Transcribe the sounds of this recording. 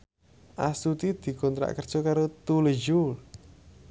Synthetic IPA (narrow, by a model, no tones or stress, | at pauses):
ʔasut̪id̪̥i̤kɔnt̪ɾa̰ʔkərd̥ʒ̥ɔ̤kaɾot̪uləd͡ʒul